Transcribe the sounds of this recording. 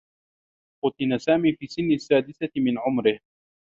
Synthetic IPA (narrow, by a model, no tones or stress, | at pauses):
fʊt̪ˤɪnasaːmiːfiːsːɪnːasːaːd̪ɪθamɪnʕʊmɾɪh